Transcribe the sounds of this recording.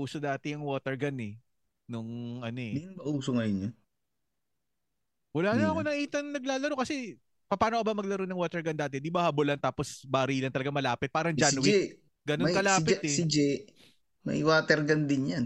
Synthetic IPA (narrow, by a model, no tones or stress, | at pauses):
uːsod̪aːt̪ɛjɐŋwoːt̪ɛɹɡɐnɛ | nʊŋʔɐnoɛd̪inbɐʔuːsoŋɐjʊno | wɐlaːnɐɐko̞nɐʔiːt̪ɐnnɐɡ̚laːlɐɾokɐsɛ | pɐpaːnoʔɐbɐmɐɡ̚lɐɾonɐŋwoːt̪ɛɹɡɐnd̪aːt̪̬ɛd̪ibɐhɐbolɐnt̪aːposbaɾiːlɐnt̪ɐlɐɡamɐlaːpɪt̪̚paːɾɐŋd͡ʒanwɪ | ɡɐnmɐkɐlaaːpɪt̪ɛɪd͡ʒɛ | mɐ̰jwaːt̪ɛɾɡɐnd̪ɪnjan